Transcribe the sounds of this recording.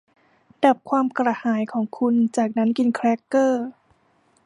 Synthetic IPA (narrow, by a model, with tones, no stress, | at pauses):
da˨˩p̚kʰwaː˧mkɾa˧haː˩˦jkʰɔː˩˦ŋkʰu˧nt͡ɕaː˨˩k̚na˦˥nki˧nkʰɾɛː˦˥kːɤː˥˩